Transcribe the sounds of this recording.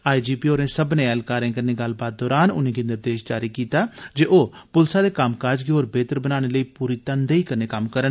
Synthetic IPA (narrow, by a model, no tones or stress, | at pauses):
aːid͡ʒiːpiːoːɾẽːsəbnẽːɛːlkaːɾẽːkəɾneɡəl̤baːt̪̚d̪ɔːɾaːnʊ̰nẽːkɪ̃nɪɾd̪eːʃd͡ʒaːɾiːkiːt̪aːd͡ʒeːʔoːpʊlsaːd̪eːkamkaːd͡ʒɡeoːɾbeːt̪əɾbənaːñeːləiːpuːɾiːt̪ənd̪eːiːkəɾneːkəmkəɾən